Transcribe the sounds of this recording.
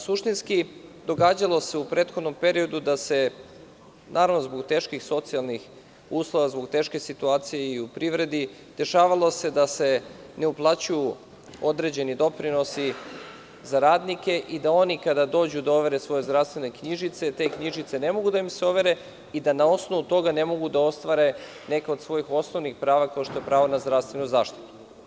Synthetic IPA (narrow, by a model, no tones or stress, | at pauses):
suʃt̪inskid̪o̞ɡaːd͡ʑalˠo̞se̞upɾe̞ːt̪xod̪no̞mpe̞ɾio̞d̪ud̪ase̞ | nʔaːɾaʋno̞zbo̞ɡt̪e̞ːʃkixso̞t̪sialˠnix | uːslˠo̞ʋazboɡt̪e̞ːʃke̞sit̪uaːt̪sijeiupɾiʋɾe̞d̪i | d̪̥e̞ʃaːʋalˠo̞se̞d̪ase̞ | neuplˠat͡ɕuju | o̞d̪ɾe̞d͡ʑe̞nid̪o̞pɾino̞si | zaɾaːd̪nike̞ʔid̪ao̞nikad̪ad̪o̞ːd͡ʑud̪oʋe̞ɾe̞sʋo̞je̞zd̪ɾavst̪ʋe̞ne̞kɲiʒit̪se̞t̪e̞ːkɲiʒit̪se̞ne̞mo̞ɡud̪aimseoʋe̞ɾe̞ | id̪anao̞sno̞ʋut̪o̞ɡane̞mo̞ɡud̪ao̞st̪ʋaɾe̞ | ne̞kao̞d̪sʋo̞jixo̞sno̞ʋnixpɾaːʋakao̞ʃt̪o̞je̞pɾaːʋonazd̪ɾafst̪ʋe̞nuzaːʃt̪i̥t̪u̥